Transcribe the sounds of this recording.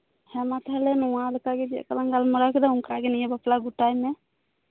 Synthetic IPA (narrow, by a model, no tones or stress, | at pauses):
hɛmat̪aɛlɛnɔwaləkaɡɛd͡ʒɛ̰kalaŋɡalmɔɾakid̪auŋkɾaɡɛnijɛbaplaɡuʈajmɛ